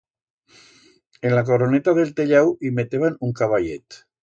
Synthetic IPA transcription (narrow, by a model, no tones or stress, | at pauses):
enlak̬oɾonet̪aðelt̪eʎɛwimet̪eβanuŋkaβaʎet̪